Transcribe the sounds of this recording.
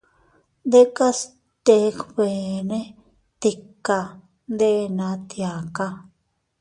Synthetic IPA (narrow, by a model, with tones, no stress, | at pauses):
nd̪e˦ka˦s | t̪e˧˦kβe˨nẽ˦ | t̪i˧ka˧ | nd̪e˦˧nã˧˦t̪ja˨ka˦˧